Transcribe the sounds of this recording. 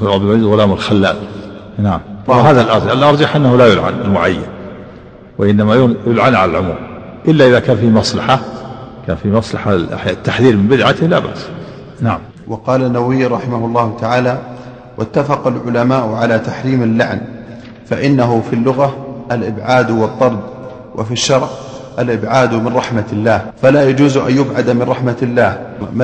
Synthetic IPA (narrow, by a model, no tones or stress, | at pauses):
ʕabd̪ɪmaziːd̪ɣʊlaːmalxalːa̰ːl | naʕamwaɦaːðalʔɑɾˤd͡ʒalʔɑɾˤd͡ʒaħʔanːahulajʊlʕa̰nalmʊʕajːa̰n | waʔɪnːamajʊjʊlʕanʕalalʕʊmṵːm | ʔɪlːaʔɪðakaːnfiːmɑsˤlɑħaka̰ːnfimɑsˤlɑħa̰ħjat̪ːaħðiːɾmɪmbɪd̪ʕat̪ɪhla̰ːba̰ʔs | naʕamm | wʔɑqɑːlanːawɪjːɾˤɑħɪmahʊlˤːɑːhʊt̪aʕaːla | wʔat̪ːafɑqɑlʕʊlamaːʔʊʕalat̪aħɾiːmalːaʕn | faʔɪnːaɦʊfilːʊɣaʔalʔɪbʕaːd̪wɨt̪ˤːɑɾˤd̪ | wʔa̰fiʃːɑɾˤʕʔalʔɪbʕaːd̪mɪnɾˤɑħmalːaːhfalaːjad͡ʒuːzʔa̰njʊbʕad̪amɪnɾˤɑħmalːaːhm